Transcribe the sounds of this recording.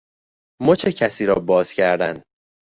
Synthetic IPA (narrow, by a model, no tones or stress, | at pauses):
mot͡ʃʰecʰæsiːɾɒːbɒːz̥cʰæɾd̪æ̰n